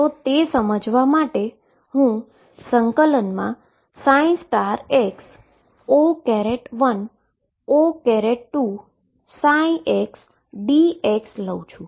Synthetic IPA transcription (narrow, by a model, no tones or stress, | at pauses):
t̪ot̪esəməd͡ʒʋamaʈe | hũ | səŋkələnmã | sãĩsʈaɾeks | okɛɾeʈʋən | okɛɾeʈʈu | saĩeks | ɖieksləũt͡ʃʰũ